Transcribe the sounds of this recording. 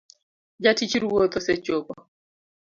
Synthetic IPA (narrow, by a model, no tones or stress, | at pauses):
d͡ʒatit͡ʃiɾuwot̪ɔsɛt͡ʃopɔ